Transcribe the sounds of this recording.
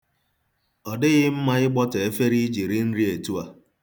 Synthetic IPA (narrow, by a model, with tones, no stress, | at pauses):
ɔ˨dɪ˦ɣɪ˦m̩˦ma˦ɣɪ˦ɡ͡bɔ˦te˨e˦fe˦ɾi˦d͡ʒi˨ɾɪ˦n̩˦ɾi˦e˨tu˦a˨